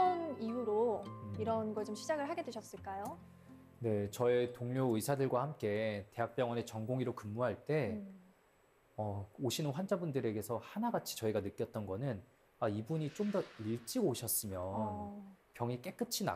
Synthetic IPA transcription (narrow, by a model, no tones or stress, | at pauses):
anijuɾoiɾʌnɡʌɭt͡ɕomɕʰid͡ʑaɡɯɭɦaɡe̞dweɕʰʌs͈ɯɭk͈ajo | ne̞t͡ɕʌetoŋɲoɯisʰadɯɭɡwahamk͈e̞te̞ɦak̚p͈jʌŋwʌne̞t͡ɕʌŋɡoŋiɾokɯmːuɦaɭt͈e̞ | ʌoɕʰinɯnɸwand͡ʑabundɯɾe̞ɡe̞sʰʌhanaɡat͡ɕʰi̥t͡ɕʌiɡanɯk͈jʌt̚t͈ʌnɡʌnɯn | aibuɲit͡ɕ͈omdʌiɭt͡ɕ͈iɡoɕʰʌs͈ɯmjʌnpjʌŋik͈e̞k͈ɯt͡ɕʰina̰